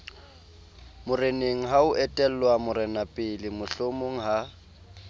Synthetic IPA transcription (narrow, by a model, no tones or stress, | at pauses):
mʊreneŋ̩ɦaʊʔɛtʼɛl̩lwamʊɾɛnapʼɪlɪmʊɬomoŋ̩ɦa